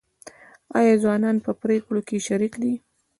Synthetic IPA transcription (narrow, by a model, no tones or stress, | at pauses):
ɑ̰jɑzwɑnɑnpəpɾekɽokeʃaɾiqd̪i